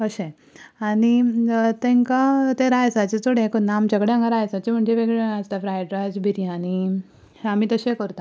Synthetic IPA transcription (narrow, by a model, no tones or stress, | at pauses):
əɕɛ̃ | aɽit̪ẽŋkãt̪ẽɾajsat͡ɕet̪ʰoɽẽkonːamd͡ʑəɡɽejãŋɡaɾajsat͡ɕem̤əɳd͡zeʋeɡɭeast̪afɾajʈɾajd͡zbʱiɾijãani | amit̪əɕẽkəɾt̪a